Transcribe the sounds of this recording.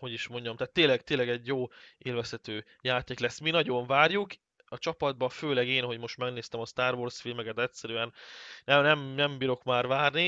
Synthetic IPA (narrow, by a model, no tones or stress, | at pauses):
ho̞ɟiʃmo̞ɲɟɒmt̪aːt̪ːeːnlɛɡt̪eːlɛɡɛɟjoːeːlvɛsɛt̪øː | jaːt̪eːklɛsːminɒɟo̞ɱvaːrjuk | ɒt͡ʃɒpɒd̪̚bɒføːlɛɡeːnɦo̞ɟmo̞ʃt̪mɛɡneːst̪ɛmɒst̪aːrvorsfilmɛkɛt̪ɛtʲsɛɾyɛnnɛmnɛmnɛmbiɾo̞kmaːrvaːrni